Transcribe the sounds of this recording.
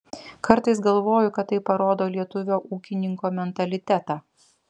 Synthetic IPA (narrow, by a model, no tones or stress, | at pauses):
kɐɾt̪ɐɪsɡɐlˠʋoːjʊkɐt̪t̪ːɐɪpɐɾoːd̪oːlʲiɛt̪ʊʋʲoːʔuːkʲɪnʲɪŋkoːmʲɛnt̪ɐlʲɪt̪ʲæt̪ɑː